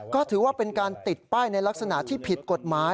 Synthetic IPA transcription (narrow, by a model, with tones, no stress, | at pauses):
kɔː˥˩t̪ʰɯː˩˦waː˥˩pe˧nkaː˧nt̪i˨˩t̪̚paː˥˩jna˧jla˦˥k̚sa˧na̰˨˩ʔt̪ʰiː˥˩pʰi˨˩t̪̚ko˨˩t̪̚maː˦˥